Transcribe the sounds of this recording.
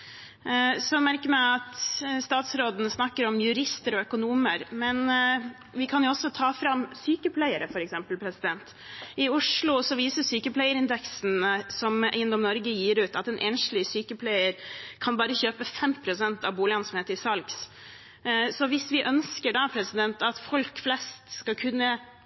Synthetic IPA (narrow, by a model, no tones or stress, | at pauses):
sɔmæɾkəmæɪɑt̪st̪ɑːt̪sɾoːd̪ənəsnɑkːəɾɔmjʉɾɪst̪əɾɔœkʊnuːməɾmɛn | ʋɪkʰɑnjʊɔsːɔt̪ʰɑːfɾɑmsyːkəpʰlæɪəɾəfɔɾɛksɛmpəlpʰɾɛsɪd̪ɛnt̪ | ɪʊʂlʊsɔʋiːsəsyːkəpʰlæɪəɾɪnd̪ɛksnsɔmæ̰ɪənd̪ɔmnɔɾɡəjiːɾʉːt̪ɑt̪ɛnʔeːnʂlɪsyːkəpʰlæɪəɾkʰɑnbɑːɾəçøːpəfɛmpʰɾʊsɛnt̪ɑʋbuːlɪɑnsɔmheːt̪ɾɪsɑlɡs | sɔʋɪsʋɪʔœnskəɖɑpʰɾɛsɪd̪ɛnt̪ɑt̪fɔlkflɛst̪skɑkʰʉnːə